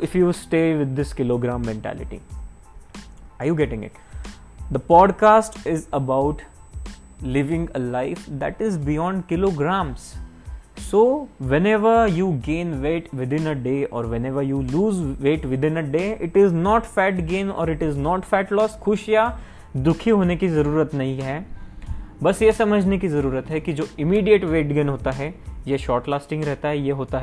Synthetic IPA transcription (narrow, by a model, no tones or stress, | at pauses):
ɪfjusʈeːʋɪd̪ːɪskɪloːɡɾãːmːɛ̃ɳʈæ̰ːlɪ̰ʈḭ | aːɾjuɡɛʈɪ̃ŋɡɪ̰ʈ | d̪əpɔːɖkaːsʈɪzəbaʊʈ | lɪʋɪ̃ŋɡəlaɪfd̪æʈɪzbɪjɔ̃ːɳɖkɪloːɡɾãːms | soːʋɛ̃nɛʋəɾjuːɡẽːnʋeːʈʋɪd̪ɪ̃nəɖeːɔːɾʋɛneːʋəɾjuːluːzʋeːʈʋɪd̪ɪ̃nəɖeːɪʈɪznɔːʈfɛːʈɡẽːnɔ̰ːɾɪʈɪznɔːʈfɛːʈlɔːskʰʊʃja | d̪ʊkʰiɦoːnekizɐɾuːɾət̪nɐɦĩɦɛː | bɐsjesɐməd͡ʒʱnekizɐɾuːɾət̪ɦɛkid͡ʒoːɪmiːɖijəʈʋeːʈɡẽːnɦoːt̪aɦɛjeʃɔːɾʈlaːsʈɪ̃ŋɡɾɛɦt̪aɦɛjeɦoːt̪aɦɛ